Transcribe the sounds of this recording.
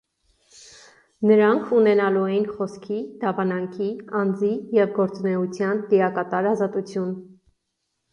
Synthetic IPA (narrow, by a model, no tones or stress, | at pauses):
nəɾɑŋkʰunɛnɑluɛjinχɔskʰid̪ɑvɑnɑŋkʰiɑnd͡zijɛvɡɔɾt͡sunɛut͡sʰjɑnt̪iɾɑkɑt̪ɑɾɑzɑt̪ut͡sʰjun